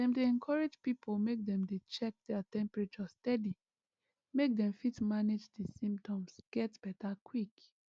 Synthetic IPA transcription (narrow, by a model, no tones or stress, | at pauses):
dɛ̃mdeɛ̃nkʰɔɹed͡ʒpipʰolmek̚dɛ̃mdet͡ʃɛk̚dɛatɛ̃mpɹet͡ʃɔstɛdi | mek̚dɛ̃mfitmaned͡ʒdisĩmptʰɔ̃msɡ̥ɛtb̥ɛtʰakʰwik